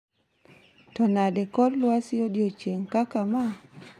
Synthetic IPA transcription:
tɔnadɛkɔdlwasɪodjot͡ʃeŋkakama

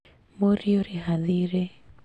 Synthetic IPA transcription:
moɾioɾihaðiɾe

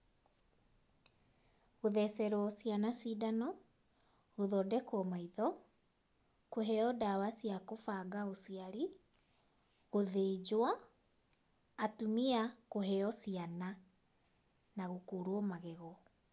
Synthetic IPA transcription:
ɣoðɛsɛɾwɔsianasidanɔ | ɣoðɔdɛkwɔmaiðɔ | koɦɛɔdawasiakofaɡaosiaɾi | ɣoðed͡ʑwa | tumiakoɦɛɔsiana | naɣokoːɾwɔmaɣɛɣɔ

